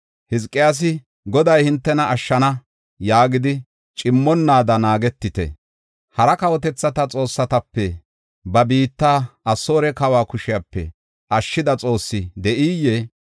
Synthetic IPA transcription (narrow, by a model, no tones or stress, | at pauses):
hɪs̬kʼːɪjaːs̬ɪ | ɡɔd̪ɐjhɪnt̪ːɛnɐʔɐʃːɐnɐ | jaːɡɪd̪ɪ | t͡ʃʼɪmːɔnːaːd̪ɐnaːɡɛt̪ːɪt̪ɛ̰ | hɐɾɐkɐwɔt̪ɛt͡sːɐt̪ɐt͡sʼo̞ːsːɐt̪ɐpːɛ | bɐbiːt̪ːaːɐsːo̞ːɾɛkɐwaːkʊʃɪjapːɛ̰ | ʔɐʃːɪd̪ɐt͡sʼo̞ːsːɪd̪ɛʔiːjːɛ